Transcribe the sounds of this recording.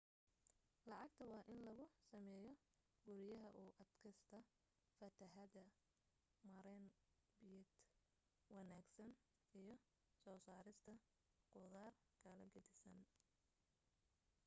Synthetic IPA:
lɑʕɑɡt̪ʰɐwɑːʔɪnlɐɣʊsɐmɛːjɔ | ɡʊɾɪjɐɦɐʔuːʔɐd̪kʰɐst̪ʰɐ | fɐt̪ʰɐħɐðɐ | mɐɾɛnbɪjɛd̪ | wɑnaːɡsɐn | ijɞ | sɔːsaːɾɪst̪ʰɐ | qʊðaːr | ɡ̥ʰɐlɐɡɐd̪ɪsɐn

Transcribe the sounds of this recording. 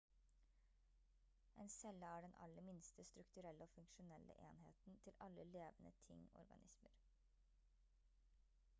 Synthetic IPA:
ʔɛnsɛlːɑæːɖɛnʔɑ̰lːəɾmɪnst̪əst̪ɾʉkt̪ʉɾɛlːəoːfʉŋʃʊnɛlːə̰ʔḛːnhḛːt̪n̩t̪ʰɪlɑlːəleːʋənə̰t̪ʰɪ̰ŋɔ̰ɾɡɑ̰nʔɪsməɾ

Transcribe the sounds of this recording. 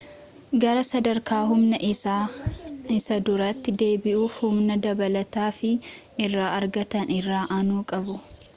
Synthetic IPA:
ɡɐɾɐsɐd̪ɐɾkʰaːɦʊmnɐʔɪsaː | ɪsɐd̪ʊɾɐt̪ːɪd̪e̞ːbɪʔuːhʊmnɐd̪ɐbɐlɐt̪aːfɪ | ɪrːaːɐɾɡɐt̪ɐnɪrːaːʔanuːkʼɐbʊ

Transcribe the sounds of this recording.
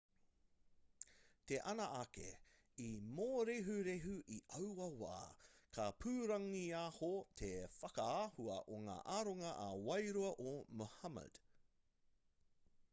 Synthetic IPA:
t̪eʔɐnɐʔakḛ | imoːɾeɦuɾeɦuʔiʔɐwɐwa̰ːkʰɐpʰʉːɾɐŋiaːhotʰefɐkɐaːhuɐ̰ʔoŋa̰ːʔaːɾoŋɐʔːwɐjɾuɐʔomohɐmə̰d̥

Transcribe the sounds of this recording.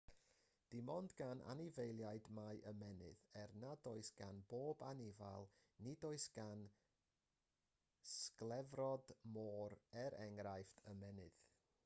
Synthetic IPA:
d̥ɪmɔndɡanʔa̰nɪvejlˠjaɨdmajʔəmɛnɨ̰ðɛrnadoːɨsɡ̥anboːbanɪvalˠnidoːɨsɡ̥an | sklˠɛvrɔdmoːɾɛɾɛŋɾajftʰəmɛnɨð̥

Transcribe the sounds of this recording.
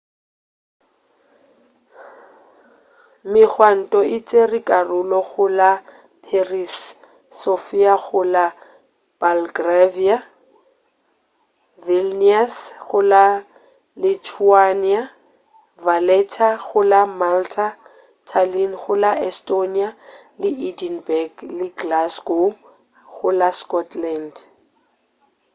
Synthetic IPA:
mɪk͡xʰwan̩tʼɔʔɪt͡sʼerikʼarʊlɔɣʊla | pʰerisː | ofiaɣʊla | b̥alɡravia | vilniasχʊla | litʰuania | valɛtʰaɣʊlamaltʰa | tʰalinχʊlaʔɛstonia | lɪʔidinbɛɡlɪɡlasɡo | ɣʊlaskɔtʰland

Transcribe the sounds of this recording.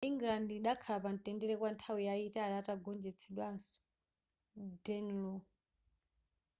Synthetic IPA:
iŋɡlandiɗakʰapan̩tɛndɛɾɛkwantʰawijaitaalataɡɔnd͡ʒɛt͡sʰɛɗwansɔ̥ | dɛnlɔ

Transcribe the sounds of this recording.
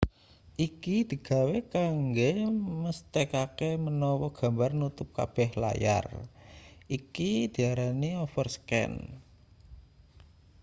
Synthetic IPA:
ʔikid̪̥i̤ɡ̥a̤wekaŋɡeməst̪ekakemənɔwɔɡ̥ä̤mbarnut̪ʊp̚ka̰b̥ɛ̤hla̰ja̰r | ʔikid̪̥i̤aɾaniɔfərskɛ̰n

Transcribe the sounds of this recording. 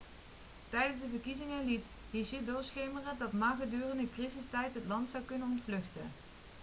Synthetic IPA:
tɛjdənzdəvərkizɪŋəlit | ɦiʃɪdʊːɹsχejmərədɑtmaːχədyːrəndəkrizɪstɛjtɦətlɑntsɑwkɵnənɔntflɵχtə̰n

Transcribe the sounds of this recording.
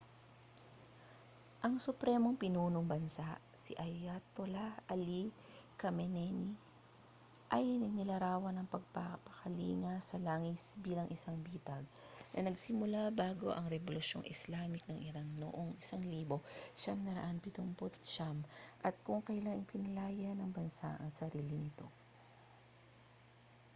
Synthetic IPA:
ʔɐŋsʊpɾɛmo̞ŋpɪnuːnoŋbɐnsaʔsḭʔɐjat̪olɐʔɐli | kɐmɛnɛni | ʔɐjnɐnɪlɐɾaːwɐnɐŋpɐɡ̚papɐkɐlḭːŋɐsɐlaːŋɪsbiːlɐŋʔɪsaŋbiːt̪ɐɡ̚nʔɐnɐɡsɪmʊlabaːɡo̞̰ʔɐŋɾɛbolʊʃjo̞̰ŋʔɪslaːmɪk̚nɐŋʔɪɾaŋlo̰ʔoŋʔɪsaŋliːbo̞ʃamnɐɾɐ̰ʔanpɪt̪ʊmpot̪ʃamʔɐt̪̚kʊŋkɐjlaŋɪpɪnɐlaːjɐnɐŋbɐnsa̰ʔɐŋsɐɾiːlɪnɪt̪o̞

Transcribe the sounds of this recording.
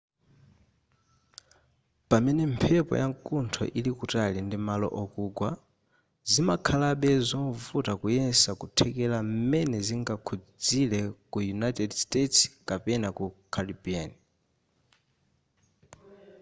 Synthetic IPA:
pamɛnɛmpʰɛpɔ̰jaŋkuntʰɔ̰ʔilikutalindimalɔ̰ʔɔkuːɡwa | zimakʰalaɓɛzɔɱvutakujɛnsakutʰɛkɛlam̩mɛnɛziŋɡakʰud͡zilɛkujunatɛdstetskapɛnakukʰalibian

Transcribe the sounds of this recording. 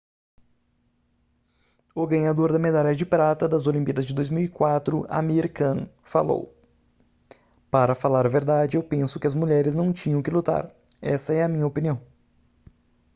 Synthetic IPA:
ʊɡɐ̃ɲad̪oɾd̪ɐmed̪aʎɐd͡ʒɪpɾat̪ɐd̪ɐzolĩmpiɐd̪ɐzd͡ʒɪd̪ojzmiwikwat̪ɾʊa̰miɾkɐ̃ | fa̰lo̰w | paɾɐfalaɾɐveɾd̪ad͡ʒɪewpẽsʊ̥kɪɐzmuʎɛɾɪznɐ̃w̃t͡ʃĩɲɐ̃w̃kɪlut̪a̰ɾ | ɛsɐɛɐmĩɲɐopiniɐ̃w̃

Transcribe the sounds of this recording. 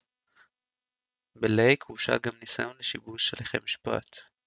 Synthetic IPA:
belejkuʃa̰ɡamnisajo̞nleʃibuʃeleχḛmiʃpa̰t̪

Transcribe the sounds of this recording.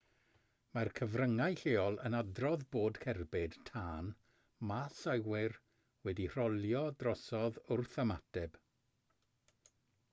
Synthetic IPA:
markʰəvrəŋajɬeːɔlˠə̰nadrɔðboːdkʰɛrbɪd̥tʰaːn | masawɪr | wɛdir̥ɔlˠjɔdrɔsɔðʊrθəma̰dɛb̥

